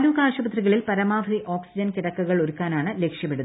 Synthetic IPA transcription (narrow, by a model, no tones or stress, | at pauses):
nukaːʂɐbɐt̪riɣɐɭilpɐɾɐmaːʋɐɾiʔo̞ːksid͡ʑɐnkiɽɐkːuɣɐɭoɾukːaːnaːɳɨle̞kʂjɐpːeɽuðɐ